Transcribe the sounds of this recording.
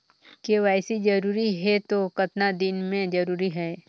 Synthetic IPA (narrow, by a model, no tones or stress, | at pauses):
keʋaːsid͡ʒɐɾuːɾiɦɛt̪okɐt̪nad̪ɪnmẽd͡ʒɐɾuːɾiɦɛː